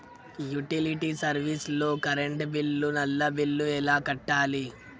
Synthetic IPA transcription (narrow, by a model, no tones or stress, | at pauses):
juʈiliʈisɐɾʋisloːkɐɾeɳʈbilːunɐlːɐbilːuɛlaːkɐʈːaːli